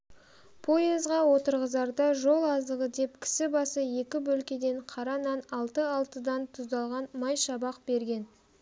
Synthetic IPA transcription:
pʰo̞jezʁɑwo̞t̪əɾʁəzɑɾd̪ɑʒo̞lˠɑzd̪əʁəd̪e̞p̚kʲʰɪ̥sɪbɑsəje̞kʲɪbɵlkʲe̞d̪e̞ɴqʰɑɾɑnɑnɑlˠt̪əɑlˠt̪əd̪ɑnt̪ʰʊzd̪ɑlˠʁɑnmɑjʃɑbɑq̚be̞ɾɡʲe̞n

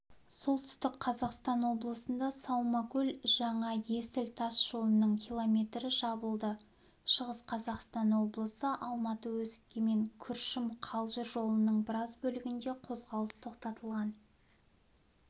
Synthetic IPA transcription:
so̞lˠt̪ʰʏ̥st̪ɪkqʰɑzɑqst̪ɑnwo̞blˠəsənd̪ɑsɑwmɑkʲɵlʒɑɴɑje̞sɪlt̪ʰɑsʒ̥o̞lˠənəɴkʲʰilˠo̞mʲe̞t̪ɾɪʒɑbəlˠd̪ə | ʃəʁəsqʰɑzɑqst̪ɑnwo̞blˠəsəʔɑlˠmɑt̪əwɵzkʲeme̞ŋkʲʰʏɾʃɪmqʰɑlˠʒəɾʒo̞lˠənəɴbɪɾɑzbɵlɪɡʲɪnd̪e̞qʰo̞zʁɑlˠəst̪ʰo̞qt̪ɑt̪əlˠʁɑn

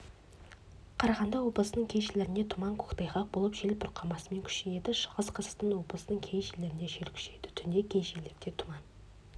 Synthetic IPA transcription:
qʰɑɾɑʁɑnd̪ɑwo̞blˠəsənəŋkʲʰe̞jʃɪle̞ɾɪne̞t̪ʰʊmɑŋkʰoqt̪ɑjχɑq̚bo̞lˠəpʒe̞lbʊɾqʰɑmɑsəme̞ŋkʲʰʏ̥ʃeje̞d̪ɪʃə̥ʁəzqʰəzə̥t̪ənwo̞blˠəsənəŋkʲʰejʃeleɾɪneʃeɾkʲʰʏ̥ʃe̞d̪ɪ̥t̪ʰʏnd̪e̞kʲʰejʃeleɾd̪e̞t̪ʰʊmɑn

